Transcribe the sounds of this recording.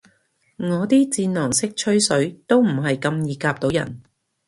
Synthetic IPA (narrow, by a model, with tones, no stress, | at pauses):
ŋɔː˨˧t̪iː˥t͡siː˧nnɔː˨˩ŋsɪ˥k̚t͡ʃʰɵ˥ɥsɵ˨˥ɥt̪o˥wm̩˨˩ɦɐ˨jkɐ˧mjiː˨˧kaː˧p̚t̪o˨˧wjɐ̰˨˩n